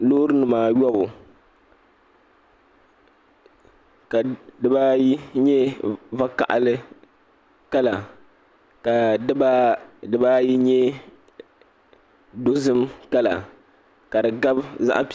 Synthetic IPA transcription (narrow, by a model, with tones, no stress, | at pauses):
loː˦ɾɨ˦nɨ˨maː˨ɥɔ˦bʊ˨ | ka˨dɨ˦ba˦jɲɛ˦va˦ka̰˨ʔa̰˨lɨ˦ | ka˦la˨ | ka˨˦ba˦dɨ˦ba˦ji˦ɲɛ˦ | do˦zɨ˦mka˦la̰˨ | ka˨dɨ˨ɡa˦bza̰˦ʔp